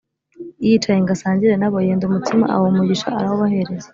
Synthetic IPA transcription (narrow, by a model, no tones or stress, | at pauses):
ijit͡ʃajeŋɡasaːɲɟiɾe̞naβojeːndumutima̰ʔa̰womuɟiʃa̰aɾahoβahe̞ɾeze